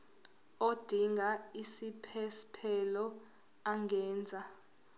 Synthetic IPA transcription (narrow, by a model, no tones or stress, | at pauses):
od̥ʱiŋʱaisipʰɛspʰɛlɔ | aŋɛːnd͡zʱa